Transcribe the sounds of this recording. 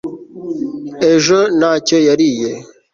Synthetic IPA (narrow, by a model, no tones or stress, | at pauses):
eʒənat͡ʃejaɾije